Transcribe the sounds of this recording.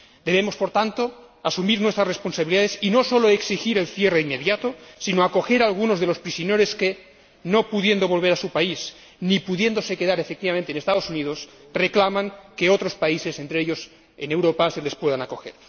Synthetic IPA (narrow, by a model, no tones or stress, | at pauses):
d̪e̞β̞emo̞spo̞ɾt̪ant̪o̞ | asumiɾnwet̪ɾasresponsaβiliðaðesinoso̞loeksixiɾelθjereimːeðjat̪osinoako̞xe̞ɾalɣ̞unozðelo̞spɾisjoneɾeske | no̞puðje̞nd̪oβo̞lβ̞eɾasupais | nipuðje̞nd̪ose̞keðaɾefek̚t̪iβament̪enest̪að̞osuniðo̞s | reklamaŋkeot̪ɾo̞spaise̞sent̪ɾeeʎos | ene̞wɾopasele̞spweðanako̞xeɾ